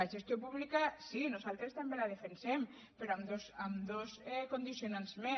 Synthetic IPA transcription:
aʒest̪jopuβlikasinusalt̪ɾest̪ambelaðefensɛm | peɾoamd̪osamd̪osɛkond̪isjonanzme

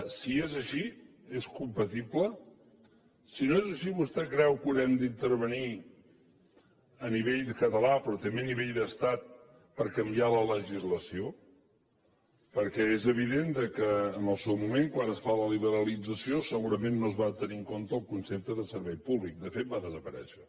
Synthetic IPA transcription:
siezəʃi | eskumpət̪iplə | sinoezəʃiβust̪ɛkɾɛwkunɛmd̪int̪əɾβ̞əni | əniβeʎd̪əkət̪əlapɾɔt̪əmbeniβeʎd̪əst̪at̪̚ | pəɾkəmbialələʒizləsio | pəɾkɛezəβ̞iðend̪əkəːnəlˠsɛwmumeŋkwanəsfaləliβ̞əɾəlid͡zəsiosəɣuɾəmenːoəzβat̪əniŋkont̪əlˠkunsep̚t̪əðəsəɾβɛjpuβlik̚d̪əfet̪̚baðəzəpəɾɛ̰ʃə

